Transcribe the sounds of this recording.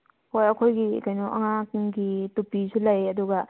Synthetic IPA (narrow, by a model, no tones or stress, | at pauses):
hojɐkʰojɡikɐjnuʔɐŋakɡitupisulɐjɐduɡɐ